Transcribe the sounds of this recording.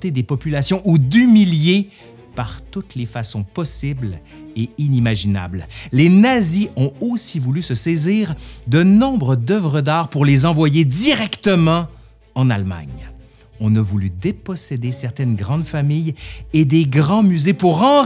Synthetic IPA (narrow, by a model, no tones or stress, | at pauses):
t̪ed̪epɔpylasjɔ̃ʔud̪ymilje | paʁt̪ut̪lefasɔ̃pɔsibl | einimaʒina̰bllenaziɔ̃osivulysəsɛziːʁd̪ənɔ̃bʁəd̪œvʁəd̪aːʁpuʁlezɑ̃vwajed̪iʁɛkt̪əmɑ̃ | ɑ̃nalma̰ɲ | ɔ̃navulyd̪epɔsed̪esɛʁt̪ɛnɡʁɑ̃d̪famijed̪eɡʁɑ̃myzepuʁɑ̃